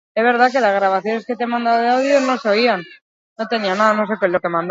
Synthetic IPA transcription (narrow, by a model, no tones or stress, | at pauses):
ezβ̞e̞ɾð̞ake̞lazɣ̞ɾaβ̞aθjo̞neske̞t̪emãnd̪awoðeawð̞jonoseo̞ian | no̞t̪e̞nianaðano̞se̞kelo̞ke̞mãnd̪